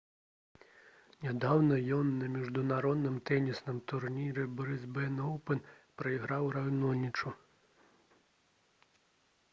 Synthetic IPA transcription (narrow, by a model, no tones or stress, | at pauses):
nʲad̪awnɐjɔnːɐmʲiʐd̪unaɾɔd̪nɨmt̪ɛnʲisnɨmt̪urnʲiɾɛbɔɾɨzbɛnɔwpɨnpɾɐiɣɾawɾajnɔnʲit͡ʂu